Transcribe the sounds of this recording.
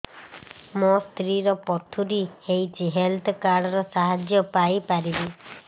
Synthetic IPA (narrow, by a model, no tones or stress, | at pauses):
mɔst̪ʰɾiɾɔpɔt̪ʰuɾihejt͡ʃiɦelt̪ʰɔkaɽɔɾɔsaɦad͡ʒjɔpajpaɾibi